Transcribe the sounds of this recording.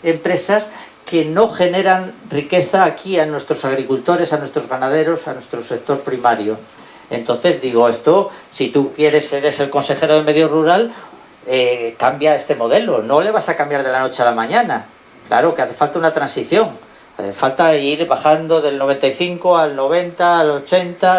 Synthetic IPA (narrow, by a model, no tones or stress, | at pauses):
e̞mpɾe̞sas | ke̞no̞χe̞ne̞ɾanrike̞θaːkianwe̞st̪ɾosaɣ̞ɾikult̪o̞ɾe̞sanwe̞st̪ɾo̞zɣanað̞e̞ɾo̞sanwe̞st̪ɾose̞k̚t̪o̞ɾpɾimaɾjo | e̞̰nt̪o̞nθe̞zðiɣ̞o̞e̞st̪o̞sit̪ukje̞ɾe̞se̞ɾe̞se̞lko̞nse̞xe̞ɾoð̞eme̞ðjoruɾal | ekambjae̞st̪e̞mo̞ð̞e̞lo̞no̞le̞β̞asakambjaɾð̞e̞lano̞t͡ʃealamãɲãna | kla̰ɾo̞keaθe̞falt̪aunat̪ɾansiθjo̞ŋ | aθe̞falt̪aiɾβaχand̪o̞ðe̞lno̞β̞e̞nt̪aiθiŋkoalno̞β̞e̞nt̪aːlo̞t͡ʃe̞nt̪a